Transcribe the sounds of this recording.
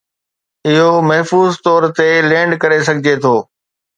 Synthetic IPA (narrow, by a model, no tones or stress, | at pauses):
ɪɦomɐɦfuːzt̪ɔːɾt̪elẽːɳɖkɐɾesɐɡʱɪd͡ʑet̪ʰoː